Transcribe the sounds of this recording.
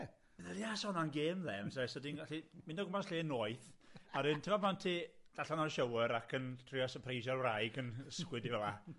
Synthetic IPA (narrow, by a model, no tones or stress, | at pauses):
ðɛlˠiasɔnanɡeːmðɛmsajsɔdiːnɡaɬimɪndɔɡʊmansɬeːnoːɨθaɾɨntʰɪmapʰantʰiːd̥aɬanarʃəwəɾakʰəntʰrɪɔsəpʰrejʃarwrajɡənəskwɪdivɛlˠa